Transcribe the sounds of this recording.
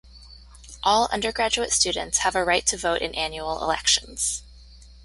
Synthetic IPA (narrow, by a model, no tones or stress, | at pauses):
ʔɔlˠʌ̰̃ndə˞ɡɹæd͡ʒuɨtstʉdⁿn̩tshəvəɹaɪtʰɨvoʊɾʔɨ̰̃nʔæ̃njul̩ˠɪ̰lɛ̰kʃɨ̃nz̥